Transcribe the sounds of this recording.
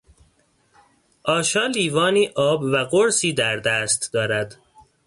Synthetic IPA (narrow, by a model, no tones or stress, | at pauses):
ʔɒːʃɒːliːvɒːniːʔɒːbvæɡoɾsiːd̪æɾd̪æːst̪d̪ɒːɾæd̪